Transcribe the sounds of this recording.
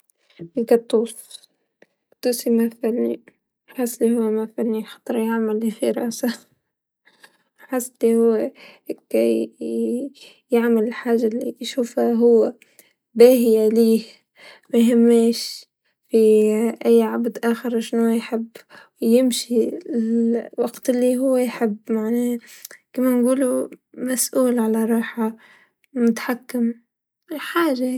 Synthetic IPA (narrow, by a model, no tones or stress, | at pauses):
ʔɪkat̪ˤːuːs | t̪ˤːuːsimafʕlnḭ | ħɪsːlihuwːmafʕɪlnilxɑ̥t̪ˤɾˤjaʕmalːifiɾˤɑ̰ʔsa | ħɪsːlihʊwːkaj | jaʕmalɪlħaːʒːalḭʃuːfhaɦʊwːa | baːɦijaliːh | majɦɪmːeːʃ | fiʔajːʕabd̪ʔaːxɪɾˤʃnojħɪbː | jɪmʃilwaɡt̪ɪlːiɦʊwːejħɪbːmaʕneːkɪmːanɡuːlumasʔuːlʕalaɾˤɑːħa | mʊt̪ḁħakːɪm | ɪlħaːʒa